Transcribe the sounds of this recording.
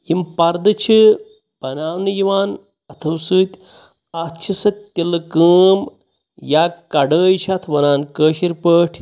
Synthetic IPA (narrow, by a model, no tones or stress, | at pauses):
jimpɐɾd̪ɨt͡ʃʰi | b̥ɐnaːwnɨjiʋaːn | ɐt̪ʰɐwsɨːt̪ʲ | at̪t͡ʃʰisɐt̪ʲːilɨkəːm | jaːkɐɖəːjt͡ʃʰɐt̪ʰʋɐnaːnkəːʃiɾpəːʈʰ